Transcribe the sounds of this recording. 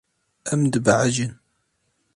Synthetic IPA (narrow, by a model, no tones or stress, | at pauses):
æmd̪bʕaʒən